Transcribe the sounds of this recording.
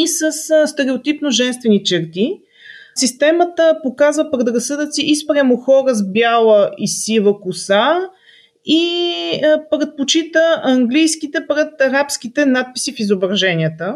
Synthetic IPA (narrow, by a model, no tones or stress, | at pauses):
isəsst̪ɛɾɛot̪ipnoʒɛnst̪vɛnit͡ʃɛɾt̪i | sist̪ɛmət̪əpokazvəpɾɛt̪ɾɐsɤd̪ət̪siʔispɾʲamoxɔɾəzbjalˠəisivəkʊsa | i | pɾɛt̪̚pot͡ʃit̪əʔɐŋɡlijskit̪ɛpɾɛt̪ɐɾapsk̟it̪ɛnat̪̚pi̥sifizobɾɐʒɛniət̪ə